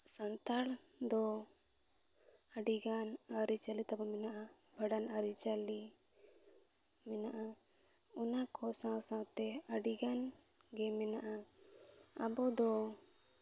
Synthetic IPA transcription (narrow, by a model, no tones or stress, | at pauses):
sant̪al | d̪ɔ | aɖiɡan | aɾit͡ʃalit̪abɔmɛnaʔa | bʱɛɖanaɾit͡ʃali | mɛnaʔa | ɔnakʰɔsãsãwt̪ɛəɖiɡan | ɡɛmɛnaʔa | abɔd̪ɔ